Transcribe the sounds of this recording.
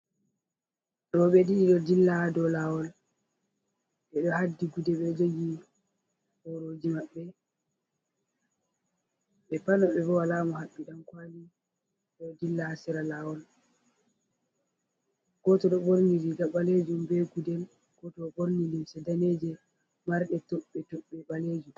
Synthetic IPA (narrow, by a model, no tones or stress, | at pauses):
ɗɔɓɛɗiɗɔdilːadɔlawɔl | ɓɛɗɔhadːiɡudɛɓɛd͡ʒoɡi | hoɾod͡ʒimaɓːɛ | ɓɛpanɔɓɛbɔwalaːmɔhaɓːiɗamkwaːli | ɗɔdilːaasɛɾalawɔl | ɡ̥ɔtɔɗɔɓoɾniliɡaɓaled͡ʒumbeɡudɛl | ɡ̥ɔtɔɓoɾnindimsɛdaned͡ʒɛ | maɾɗɛtɔɓːɛtɔɓːɛɓaled͡ʒum